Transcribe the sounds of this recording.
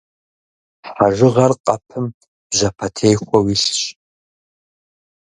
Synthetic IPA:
ħaʐɨʁɐrqʼɐpʰɨm | b̥ʒɐpʰɐtʰejxʷɔwiɬɕʼ

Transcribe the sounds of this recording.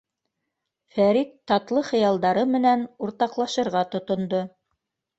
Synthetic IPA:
fæɾik̪ːɑt̪lˠɤχɤ̆jɑlˠd̪ɑɾɤmɘ̆nænuɾt̪ɑqlˠɑʃɤ̆ɾʁɑt̪ŏt̪ŏnd̪o

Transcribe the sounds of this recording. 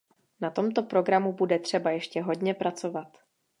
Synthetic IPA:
nat̪o̞mt̪o̞pɾo̞ɡɾamubudɛt̪r̝̥ɛbajɛʃcɛɦo̞dɲɛpɾat͡so̞vat̪

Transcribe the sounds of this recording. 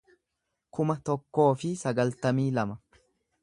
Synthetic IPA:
kʊmɐt̪ɔkːo̞ːfɪsɐɡɐlt̪ɐmiːlɐmɐ

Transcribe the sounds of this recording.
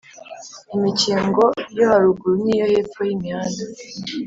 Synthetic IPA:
imiciːŋɡo̞johaɾuɡuɾuniːjoheːp͡fojimɲaːna

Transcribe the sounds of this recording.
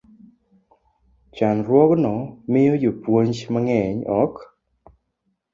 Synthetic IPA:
t͡ʃanɾwɔɡnɔmɪjojopwoɲt͡ʃmaŋɛɲɔk

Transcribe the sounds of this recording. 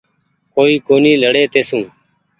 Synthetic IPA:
koːiːkoːniːləɽeːt̪eːsũː

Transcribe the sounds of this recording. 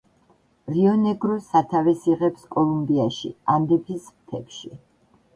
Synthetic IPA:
ɾiɔnɛɡɾɔsat̪ʰavɛsiʁɛpskʼɔlˠumbiaʃḭand̪ɛpʰismt̪ʰɛpʃi

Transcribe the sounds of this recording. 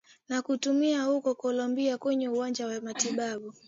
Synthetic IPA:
nakutumiahukɔkɔlɔmbiakwɛɲɛuwaɲd͡ʒawamatiɓaɓu

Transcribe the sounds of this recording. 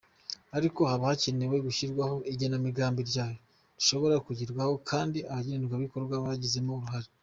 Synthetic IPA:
aɾiko̞haβahaceneweɡuçiɾɡwaho̞ʔiɟenamiɡaːmbiɾɟaːjo̞ | diʃo̞βo̞ɾakuɟiɾɡwaho̞kʰaːndiaβaɟenenɡwaβiko̞ɾɡwaβaɟize̞moɾuɦaɾi

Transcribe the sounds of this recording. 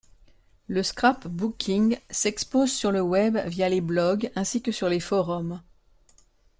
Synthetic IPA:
ləskχapbukʲʰĩŋsɛkspozsyʁləwɛbvjaleblɔɡɛ̃sikəsyʁlefɔʁɔm

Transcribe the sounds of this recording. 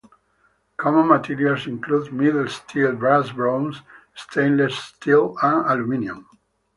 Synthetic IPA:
kʰɔmə̃nmat̪ʰiɾialsĩŋklud̪miðlst̪ʰilbɹasbɹõns | st̪ʰẽɪ̃nlɛsst̪ʰilãnalumĩniɔ̃m

